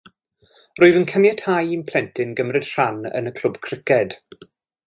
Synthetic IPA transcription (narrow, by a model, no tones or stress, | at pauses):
rʊːɨðənkʰənjɛthajinpʰl̥ˠɛntʰɪnɡəmrɛd̥r̥anə̰nəkʰl̥ˠʊbkʰrɪkɛd̥